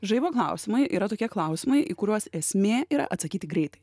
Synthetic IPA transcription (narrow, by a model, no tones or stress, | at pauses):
ʒɐɪʋoːklˠɑʊsʲɪmɐɪjʔḭːɾɐt̪oːkʲiɛklˠɑˑʊsʲɪmɐɪʔiːkʊɾʲuɔsɛsʲmʲeːiːɾɐ̰ʔɐt̪sɐkʲiːt̪ʲɪɡɾʲɛɪt̪ɐɪ